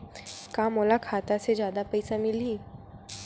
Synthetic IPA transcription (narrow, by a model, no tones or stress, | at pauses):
kamoːlakʰaːt̪ased͡ʒjaːd̪apɐɪsamɪlɦiː